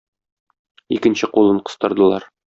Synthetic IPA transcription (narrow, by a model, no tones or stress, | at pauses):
ikɘ̆nɕɘqulˠɤɴqɤ̆st̪ɤ̆ɾd̪ɤ̆lˠɑɾ